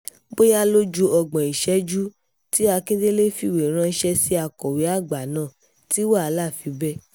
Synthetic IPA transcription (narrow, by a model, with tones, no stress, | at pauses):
bo˦ja˦lo˦d͡ʒu˧ɔ˧ɡ͡bã˨i˨ʃɛ˨˦d͡ʒu˦ | ti˦a˧ke˦de˦le˦fi˧˨we˨ɾ̃ã˧˦ʃɛ˧si˦a˧kɔ˨we˨˦a˦˨ɡ͡ba˨nãː˦˨ | ti˨˦wa˦˨a˧la˦˨fi˧bɛ˦